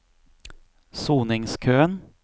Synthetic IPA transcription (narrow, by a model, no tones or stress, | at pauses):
suːnɪŋskʰøːən